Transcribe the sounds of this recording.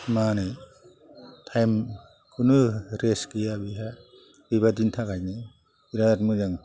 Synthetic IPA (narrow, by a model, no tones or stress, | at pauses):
manɯ | tʰajm | kʰɯnɯɾeskijabiɦa | biβadintʰakajni | iɾaatmɯzaŋ